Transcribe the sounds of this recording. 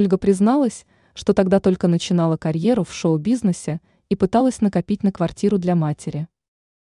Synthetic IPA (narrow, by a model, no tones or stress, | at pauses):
olʲɡəpɾʲɪznɑlˠəsʲ | ʂt̪o̞t̪ɐɡd̪at̪o̞lʲkənət͡ɕɪn̪ɑlˠəkɐɾʲje̞ɾʊfʂo̞ʊbʲiznɨsʲɪ | ipɨt̪alˠəsʲnəkɐpʲitʲnəkvɐrtʲiɾʊd̪lʲamatʲɪɾʲɪ